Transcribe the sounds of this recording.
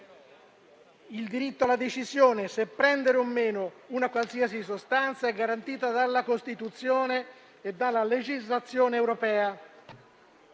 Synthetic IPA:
ild̪iɾit̪ːoalːad̪et͡ʃizjoːnesepːɾɛnd̪eɾeomːeːno | unakwalsiːasis̬ost̪ant̪saɛɡːaɾant̪iːt̪ad̪alːakost̪it̪ut̪sːjoːneː | d̪ːalːaled͡ʒizlat̪sːjoːneːwɾopɛːa

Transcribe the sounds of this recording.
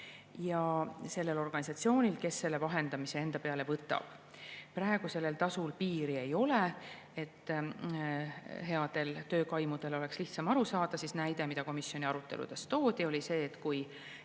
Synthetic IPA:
jɑse̞lːe̞lo̞rɡ̥ɑnʲisɑt̪sio̞ːnʲilke̞sːe̞lːevɑɦe̞nd̪̥ɑmise̞e̞nd̪̥ɑpe̞ɑle̞vɤt̪ːˑɑ̰b̥ | prɑeɡ̥use̞lːe̞lt̪ɑsulpiːɾie̞jo̞le̞ | et̪ː | ɦe̞ɑd̪̥e̞lt̪ø̞ːkɑjmud̪̥e̞lo̞le̞ksliht̪sɑmɑɾusɑːd̪̥ɑsisnæjd̪e̞mid̪̥ɑko̞misjo̞nʲiɑɾut̪ːˑe̞̰lṵd̪̥e̞st̪o̞ːd̪̥io̞lʲise̞ːt̪kuj

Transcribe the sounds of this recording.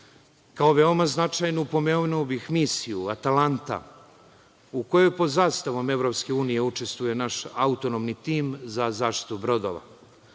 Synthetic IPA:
kao̞ʋe̞omaznat͡ʃajnupo̞menuobixmiːsijuat̪alant̪a̰ | uko̞jojpo̞d̪zaːst̪aʋome̞vɾo̞pske̞uːnije̞ut͡ʂe̞st̪vuje̞naʃaut̪o̞nomnit̪iːmzazaːʃt̪i̥t̪ubɾo̞d̪o̰ʋa̰

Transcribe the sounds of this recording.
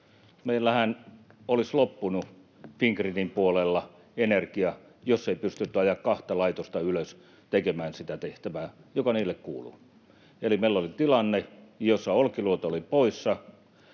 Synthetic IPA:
meilːæhænolislopːunu | fiŋkrinimpuolelːɑ | enerkiɑ | josːeipyst̪yt̪ːyɑjɑkkɑht̪ɑlɑit̪ost̪ɑyløs | t̪ekemæːnsit̪æt̪eht̪æʋæːjokɑniːlːekkuːlṵ | elimeilːolit̪ilɑnːejosːɑolkiluot̪ɑolipoisːɑ

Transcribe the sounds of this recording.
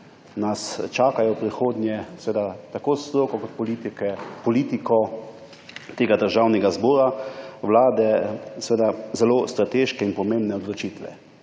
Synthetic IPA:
nast͡ʃaːkajɔpɾixoːd̪nʲjɛsɛʋeːd̪at̪akoːst̪ɾoːkɔkɔt̪̚pɔliːt̪ikɛpɔliːt̪ikʰɔ | t̪eːɡad̪əɾʒawnɛɡazbɔːɾaʋlaːd̪ɛsʋeːd̪azɛloːst̪ɾat̪eːʃkɛinpɔmẽmbnɛɔd̪lɔt͡ʃit̪ʋɛ̰

